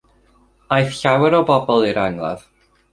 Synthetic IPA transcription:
ajθɬawɛɾɔbɔbɔlˠiɾaŋlˠa̰ð̥

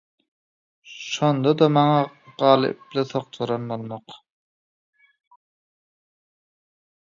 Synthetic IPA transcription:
ʃond̪ɑd̪ɑmɑŋɑɢ̥ɑːlˠɯ̰pliθoqt̪ʰoɾɑnbolˠmɑq

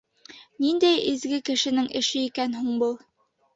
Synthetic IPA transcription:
nind̪æjĭzɡɘkɘ̆ʃɘ̆nɘŋʔɘ̆ʃɘikænɦuɴbɤlˠ

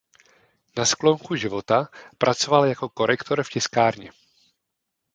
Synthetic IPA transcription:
nasklo̞ŋkuʒɪvo̞t̪apɾʔat͡so̞valjako̞ko̞ɾʔɛkt̪o̞ɾfcɛskaːɾɲɛ̰

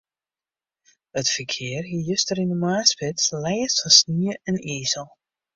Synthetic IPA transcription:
ətfərkʰɪərɦijøstəɾinəmaːspɪtslɛjəsəsniəɛniːzəlˠ

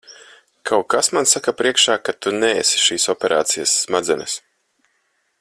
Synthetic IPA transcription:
kʰawkasmansakapɾiɛkʃaːkat̪unɛesi̥ʃiːsɔpʲɛɾa̰ːt̪sijasːmad̪zʲɛnɛs

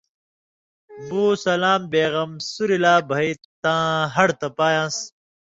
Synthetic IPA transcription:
buːsɐlaːmbeːɣɐmsuɾilaːbʱɐit̪ãːɦɐɽt̪ɐpaːjãːs

